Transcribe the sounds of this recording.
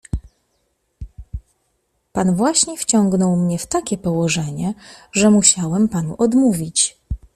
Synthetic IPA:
panvwaɕɲɛft͡ɕɔŋɡnɔwmɲɛft̪akʲɛpɔwɔʐɛɲɛʐɛmuɕawɛmpanṵʔɔd̪muvʲit͡ɕ

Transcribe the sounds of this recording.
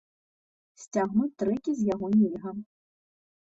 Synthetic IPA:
sʲt͡sʲaɣnut͡sʲt̪ɾɨkʲizʲjaɣɔnʲiɣɐ

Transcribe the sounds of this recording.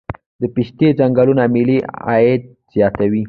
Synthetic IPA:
d̪əpiʃt̪ed͡ʒaŋɡalunamɪliɑ̰ed̪̚ | z̥jɑt̪awi

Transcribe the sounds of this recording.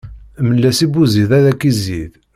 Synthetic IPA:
məlːæsibuziðæðækːizið

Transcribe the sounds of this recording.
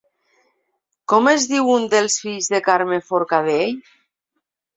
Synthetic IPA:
kɔmezðiwund̪elˠsfiʎzðekaɾmefoɾkaðej

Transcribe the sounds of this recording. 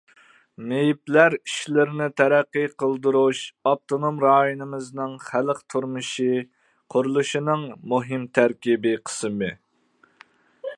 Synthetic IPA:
mejiplæɾiʃlɪɾɪnɪt̪ʰɛɾæqːɨqʰəlˠd̪uɾuʃɑp̚t̪ʰonomɾɑːjinɨmɨznɨŋχæləqt̪ʰuɾmɨʃi | qʰʊɾulˠuʃinɨŋmuɦɨmt̪ʰæɾkʲibɪqʰə̥sɨmɨ

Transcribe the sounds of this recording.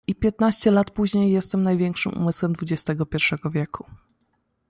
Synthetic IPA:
ipʲjɛt̪̚naɕt͡ɕɛlat̪puʑɲejːɛst̪ɛmnajvʲjɛŋkʂɘmṵmɘswɛmd̪vud͡ʑɛst̪ɛɡɔpʲjɛɾfʂɛɡɔvʲjɛkʰu̥

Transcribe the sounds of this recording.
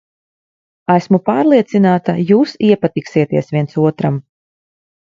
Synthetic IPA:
æsmupaːɾlˠiɛt̪sinaːt̪ajuːsiɛpat̪iksiɛt̪iɛsvʲiɛnsuɔt̪ɾam

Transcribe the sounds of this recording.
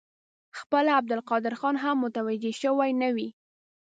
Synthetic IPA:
xpəlaab̚d̪ʊlqɑd̪ɪɾxɑnɦamːʊt̪awad͡ʒeʃəwajnawi

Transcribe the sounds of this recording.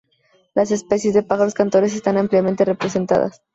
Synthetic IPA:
las̬e̞spe̞sje̞zðepaxaɾoskant̪o̞ɾe̞s̬e̞st̪anampljament̪e̞repɾe̞se̞nt̪a̰ða̰s

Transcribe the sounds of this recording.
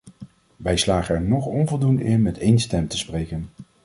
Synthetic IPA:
ʋɛjslaːχəɛɹnɔχɔnvɔlˠdundəɪnmɛtejnstɛmtəsprejkən

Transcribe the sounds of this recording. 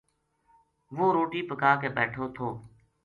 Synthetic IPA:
ʋoːɾoːʈiːpəkaːkeːbɛːʈʰoːt̪ʰoː

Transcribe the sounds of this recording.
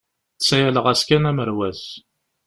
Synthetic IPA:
sæjæləʁæskænæməɾwæs

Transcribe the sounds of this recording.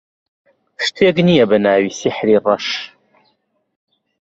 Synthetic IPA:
ʃt̪ʰeːɡnijɐbɐnaːwisiħɾiːrɐʃ

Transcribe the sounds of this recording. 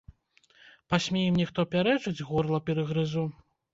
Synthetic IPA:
pasʲmʲejɛmnʲixt̪ɔpʲaɾɛʐɨd͡zʲɣɔrlˠɐpʲɛɾɨɣɾɨzu

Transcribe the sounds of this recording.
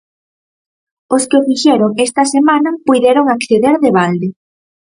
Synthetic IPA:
oskɪfiʃeɾoŋest̪ɐsemanɐpujðeɾoŋakθeðeɾðeβ̞ald̪e

